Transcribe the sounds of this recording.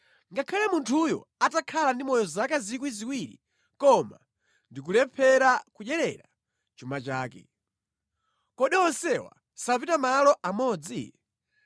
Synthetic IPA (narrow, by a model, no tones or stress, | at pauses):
ŋɡakʰalɛmuntʰujɔ̰atakʰalandimɔjɔzakazikwiziwiɾḭ | kɔma̰ | ndik̬ulɛpʰɛɾakuʄɛɾɛɾa | t͡ʃumat͡ʃaːkɛ̰ | kɔɗɛɔnsɛwa̰ | sapitamalɔʔamɔːd͡zḭ